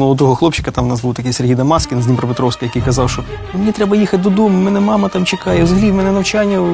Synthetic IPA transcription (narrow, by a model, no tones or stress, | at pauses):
mɔʋɔt̪ɔɦɔxlˠɔpt͡ʃːɪ̥kɐt̪ɑmwʊnɑsbuwt̪ɐkɛjserɦijd̪ɐmɑskʲɪnzʲnʲimpɾɔpet̪ɾɔwskʲɪjɐkijkɐzɑwʃɔ | nʊmenʲit̪ɾɛbɐjixɐt̚ʲd̪ɔd̪ɔmʊmɛnɛmɑmɐt̪ɑmt͡ʃekɑjɛwzɦɐlʲimɛnɛnɐwt͡ʃanʲːɐ